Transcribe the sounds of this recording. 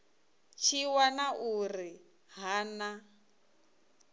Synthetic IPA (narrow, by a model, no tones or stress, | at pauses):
t͡ʃʰiwanaʔuri | ɦaːna